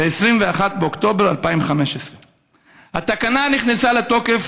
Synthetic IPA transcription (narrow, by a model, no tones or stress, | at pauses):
beːsʁimveaχat̪̚beo̞kt̪o̞be̞ʁalpaimveχame̞ʃesʁe | hat̪akananiχnesalet̪o̞ke̞f